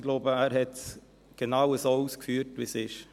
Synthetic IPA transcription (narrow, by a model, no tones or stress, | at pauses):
ɡloːbəæːɾhɛt | ɡ̥ənɑʊəsoʊskfyːɾtʋɪsɪʃ